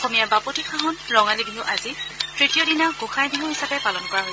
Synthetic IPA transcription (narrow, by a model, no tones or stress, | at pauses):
ɔxomijaɹbapɔtikʰaɦɔnɹɔŋalibʱiɦʊʔazitɹitijɔdinaɡuxʰajbʱiɦʊ̃ɦisapɛpalɔnkɔɹaɦoj